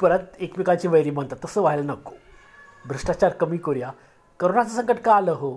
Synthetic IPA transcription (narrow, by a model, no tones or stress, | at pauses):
pəɾət̪ekpikat͡ɕiːʋəjɾiːm̤əɳt̪at̪ːəsəːʋaɦelənəko̥ | bʱɾəʂʈat͡ɕaɾkəmiːkoɾja | kəɾonat͡səsəŋkəʈkaləɦo